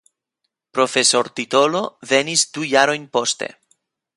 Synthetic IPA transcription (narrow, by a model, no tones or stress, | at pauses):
pɾofesoɾt̪it̪oloðenist̪ujaɾojɲpost̪ḛ